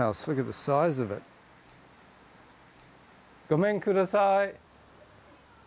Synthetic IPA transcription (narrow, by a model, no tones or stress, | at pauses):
aʊslʊkɨt̪̚ðəsaɪzʌvɪ̰t̚ | ɡ̥ɔmɛ̃ŋkʰuɾəsaɪ